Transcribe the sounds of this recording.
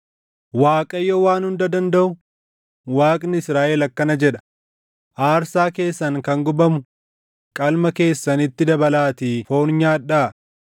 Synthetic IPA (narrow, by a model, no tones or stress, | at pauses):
waːkʼɐjːowaːnhʊnd̪ɐd̪ɐnd̪ɐʔʊ | waːkʼnɪɪsɾaːʔɛlɐkːɐnɐd͡ʒɛᶑɐ̥ | ʔaːɾsaːke̞ːsːɐŋkɐŋɡʊbɐmʊ | kʼɐlmɐke̞ːsːɐnɪt̪ːɪd̪ɐbɐlaːt̪iːfo̞ːnɲaːᶑːaː